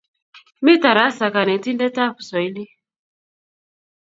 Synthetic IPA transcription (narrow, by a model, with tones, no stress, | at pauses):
mi˦ta˨ɾa˨˦sa˨ka˨ne˨˦ti˦ndɛ˦ta˦fu̥˨sɔ˨i˦li˦